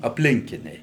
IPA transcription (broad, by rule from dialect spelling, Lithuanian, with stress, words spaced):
ɐpʲˈlʲɪŋʲkʲɪnʲɛɪ